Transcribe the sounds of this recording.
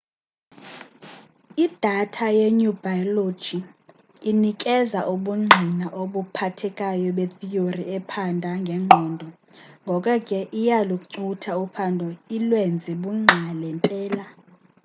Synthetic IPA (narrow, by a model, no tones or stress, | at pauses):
id̥ʱatʰajeɲubʱajɔlo̥d͡ʒ̥iː | nikʼɛzaʔuɓuŋ͡ǁʱinaʔoɓupʰatʰɛkʼajɔɓet̪ʰijoriɛpʰandʱaŋɡʱɛŋ͡ǃʱɔːndʱɔ | ŋɡʱɔkʼakʼɛʔijalukʼuǀutʰaupʰandʱɔilwɛnd͡zʱɛɓuŋ͡ǁʱalɛmpʼɛːla